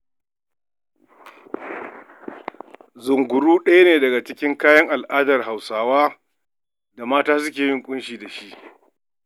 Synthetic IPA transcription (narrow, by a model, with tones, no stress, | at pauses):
zʊ˨ŋɡʷʊ˨ɽuː˦ɗɐ˦ja˦neː˨dɐ˨ɡa˨t͡ʃɪ˦kʲɪ˦ŋkaː˦jɐ˦ŋʔa˨lʔaː˦dɐ˨rɦa˨wsaː˨waː˦ | da˨maː˦taː˦s̬ʊ˦kʲeː˨jɪ˦ŋkʷʼʊ˦nʃiː˨da˨ʃi˦ʔ